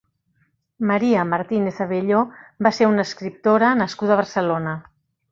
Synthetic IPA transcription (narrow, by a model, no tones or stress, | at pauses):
maɾiəmaɾt̪ineθaβeʎobaseɾunəskɾip̚t̪oɾənəskuðaβ̞əɾsəlonə